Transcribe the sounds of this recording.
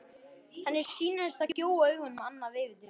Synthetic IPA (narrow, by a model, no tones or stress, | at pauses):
hanːɪɾ̥siːnast̪aoːwœɥɣʏnmanːavɪːvɪt̪ɪɾ